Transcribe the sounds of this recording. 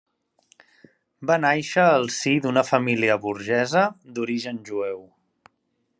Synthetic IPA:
banajʃəːlˠsid̪unəfəmiliəβuɾʒɛzəd̪uɾiʒənʒuɛw

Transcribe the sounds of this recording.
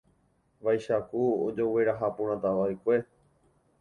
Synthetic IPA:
ʋajʃakuo̰d͡ʒo̞we̞ɾaɦapũɾ̃ãt̪aʋaekʷe̞

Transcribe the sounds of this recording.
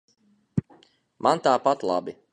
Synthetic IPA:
mʔant̪aːpat̪lˠa̰bi

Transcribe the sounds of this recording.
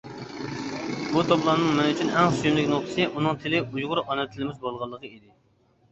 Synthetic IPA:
but̪ʰoblˠɑnɨŋmɛnyt͡ʃʰynɛŋssyjymlɪkʲnoχt̪ʰɨ̥sɨʔunɨŋt̪ʰɪlɪujʁʊɾɑnɛt̪ʰːɪlɪmɪzbolˠʁɑlˠːəqəid̪ɪ

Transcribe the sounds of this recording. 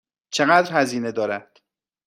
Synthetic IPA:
t͡ʃʰe̞ɣæːd̪ɾhæziːne̞d̪ɒːɾæd̪̥

